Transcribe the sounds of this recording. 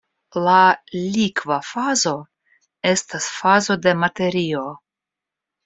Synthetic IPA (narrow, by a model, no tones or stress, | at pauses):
lalʲikvafazo̞ | e̞stasfazo̞de̞mate̞ɾio̞